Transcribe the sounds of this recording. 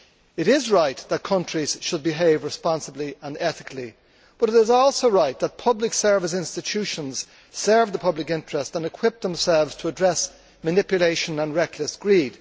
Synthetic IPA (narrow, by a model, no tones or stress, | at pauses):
ɨɾɪzɹaɪt̪̚ðət̚kʰʌ̃nt͡ʃɹ̥iz̥ʃəd̚bɨɦeɪvɹɨspɑ̃nsəbliə̃nɛθɪkʰli | b̥ʌɾɨɾɪzɔlˠsoʊɹaɪt̪̚ðət̚pʰʌblɨksɜ˞vɨs̬ɪ̃nstɨtʰʉʃə̃nz̥ | sɜ˞vðəpʰʌblɨkɪ̃nt͡ʃɹ̥əstə̃nɨkʰw̥ɪp̚ðə̃msɛlˠvz̥tʰəːdɹɛs | mɨnɪpjɨleɪʃə̃nə̃nɹɛkʰləsɡ̥ɹid̥